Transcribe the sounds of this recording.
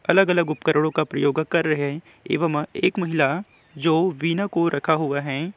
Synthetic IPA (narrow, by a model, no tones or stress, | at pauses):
ɐləɡɐləɡʊpkəɾəɽ̃õkapɾɐjoːɡkɐɾːɐɦe | ḛːʋəmḛːkmɐɦɪla | d͡ʒoːʋiːnakoɾʔɐkʰaɦʊaɦɛː